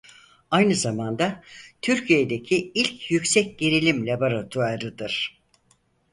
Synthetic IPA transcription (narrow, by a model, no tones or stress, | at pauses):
ajnɯzamand̪at̪ʰyɾcʰijed̪e̞cʰiilʲcʰjycsɛc̚ɟeɾilʲimlʲaboɾat̪ʰuaɾɯd̪ɯɾ̥